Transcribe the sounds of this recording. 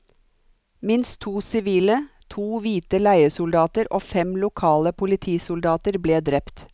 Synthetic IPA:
mɪnst̪ʰuːsɪʋiːlə | t̪ʰuːʋiːt̪əlæɪəsʊld̪ɑːt̪əɾʔoːfɛmlʊkʰɑːləpʰʊlɪt̪ʰiːsʊld̪ɑːt̪əɾbleːd̪ɾɛpt̪

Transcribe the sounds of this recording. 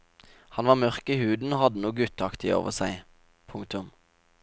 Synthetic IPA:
hɑnʋɑːmœʁkiːhʉːd̪n̩oːhɑd̪ənuːɡʉt̪ʰɑkt̪ɪo̰ːʋəsæɪ | pʰʊŋk̚t̪ʊm

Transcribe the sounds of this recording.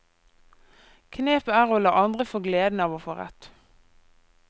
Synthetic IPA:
kʰneːpəæːʁoːlɑːʔɑnd̪ʁəfoːɡleːd̪n̩ɑːʋoːfoːʁɛ̰t̪

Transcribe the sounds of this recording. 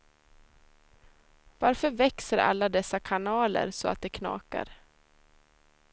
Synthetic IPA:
vaɾfœɾvɛksəɾa̰lːad̪ɛsːakʰanɑːlə̰ɾsɔa̰t̪̚d̪ɛkʰnɑ̰ːka̰ɾ

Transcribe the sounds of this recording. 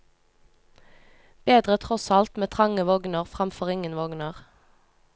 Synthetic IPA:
b̥eːd̪ʁət̪ʰʁɔsɑlt̪meːt̪ʰʁɑŋəʋɔɡnəʁfʁɑmfɔʁɪŋənʋɔɡnəʁ

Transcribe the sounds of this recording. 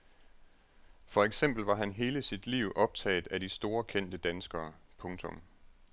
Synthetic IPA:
fɒ̽eɡ̥sem̰b̥l̩ʋɑ̈ɦænɦe̝ːləsid̥liʊʔɒ̽b̥̚t͡sʰɛ̰ːð̩ˠæɾisd̥o̝ːɐkʰen̰d̥əd̥ænsɡ̥ɐːpʰɔ̽ŋt͡sʰɔ̽m

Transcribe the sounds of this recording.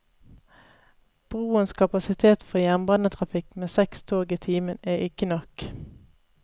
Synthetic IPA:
b̥ʁuːənskʰɑpɑsɪt̪ʰeːt̪fɔʁjæʁnbɑnət̪ʰʁɑfɪkmeːsɛkst̪ʰoːɡiːt̪ʰiːmənæːɪkənɔk

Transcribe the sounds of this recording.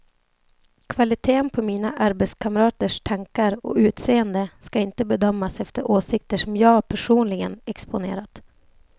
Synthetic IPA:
kʰvalɪt̪ʰeːənpʰɔmiːnaʔaɾbɛt̪skʰamɾɑːt̪əʂt̪ʰaŋkaɾɔ̰ʉ̟ːt̪seːənd̪əskaɪnt̪əbɛd̪œmːasɛft̪əɾʔoːsɪk̚t̪əʂɔmjɑːpʰæʂuːnlɪɡənɛkspʊnḛːɾat̪

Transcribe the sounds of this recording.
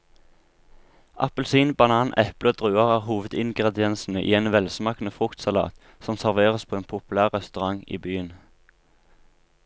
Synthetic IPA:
ʔɑ̰pəlsiːnbɑnɑːnɛpləoːd̪ʁʉːɑʁæːʁhuːʋəd̪ɪŋɡʁɛd̪ɪɛnsn̩əʔḭːeːnʋɛlsmɑːknəfʁʊkt̪sɑlɑ̰ːt̪ | sɔmsæʁʋeːʁəspʰoːeːnpʰʊpʉlæːʁʁɛst̪ʉʁɑŋḭːbyːən

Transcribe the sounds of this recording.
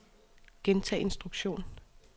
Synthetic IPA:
ɡ̥ent͡sʰɛ̰ːe̝nsd̥ʁuɡ̥ɕo̝̰ːn

